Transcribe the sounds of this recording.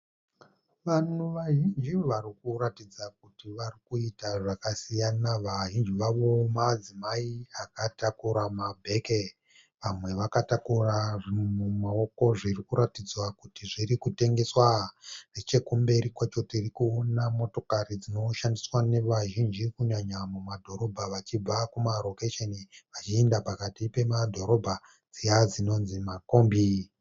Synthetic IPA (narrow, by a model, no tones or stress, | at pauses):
ʋan̤uʋaʒind͡ʒiʋaɾikuratid͡zak̚utiʋarikuitaʐakasijanaʋaʒind͡ʒiʋaʋo̞mad͡zimaiakatakuɾamabʱe̞ke | ʋamwe̞ʋakatakuraʐimemumaoko̞ʐirikuɾatid͡zwakutiʐiɾikute̞ŋɡe̞swaret͡ʃe̞kumbe̞ɾikwat͡ʃo̞tirikuonamo̞to̞karid͡zino̞ʃandiswane̞ʋaʒind͡ʒikuɲaɲamumadʱo̞ɾo̞bʱaʋat͡ʃib͡vakumaro̞keʃeniʋat͡ʃiendapakatipe̞madʱo̞ɾo̞bʱa | d͡zijad͡zino̞nzimakoːmbi